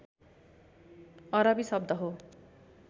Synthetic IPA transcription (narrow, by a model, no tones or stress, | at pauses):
ʌɾʌbisʌb̚d̪ʌɦo